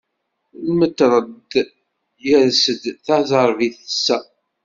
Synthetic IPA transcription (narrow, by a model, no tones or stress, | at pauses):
lmət̪ːɾˤəd̪ | jəɾsəd̪θaʕzˤəɾˤviθəsːæ